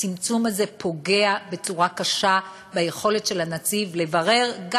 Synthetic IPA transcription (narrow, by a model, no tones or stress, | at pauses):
t͡simt͡sumaze̞pʰo̞ɡe̞abe̞t͡suʁakaʃa | beje̞χo̞le̞tʃe̞lanat͡sivle̞vaʁe̞ʁɡ